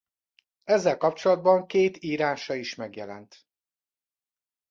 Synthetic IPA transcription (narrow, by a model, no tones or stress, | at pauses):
ɛzːɛlkɒpt͡ʃo̞lɒd̪̚bɒŋkeːt̪iːɾaːʃɒiʃmɛɡjɛlɛ̰nt̪